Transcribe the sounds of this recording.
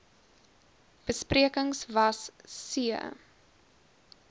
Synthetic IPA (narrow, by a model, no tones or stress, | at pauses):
b̥əspriəkəŋsvɐssiə̰